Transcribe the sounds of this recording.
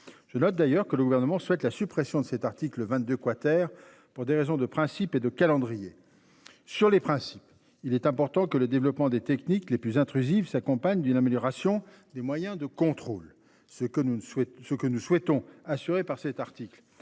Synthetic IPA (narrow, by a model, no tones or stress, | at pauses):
ʒ̥ənɔt̪̚d̪ajœʁkələɡuvɛʁnəmɑ̃swɛt̪lasypχɛsjɔ̃d̪əsɛt̪aʁt̪ikləvɛ̃t̪̚d̪økwat̪ɛʁ | puʁd̪eʁezɔ̃d̪əpχɛ̃siped̪əkalɑ̃d̪ʁije | syʁlepχɛ̃si̥p | ilɛt̪ɛ̃pɔʁt̪ɑ̃kələd̪evlɔpmɑ̃d̪et̪ɛknikleplyzɛ̃t̪χyzifsakɔ̃paɲd̪ynameljɔʁasjɔ̃ | d̪emwajɛ̃d̪əkɔ̃t̪χol | səkənuswɛt̪ɔ̃asyʁepaʁsɛt̪aʁt̪ikl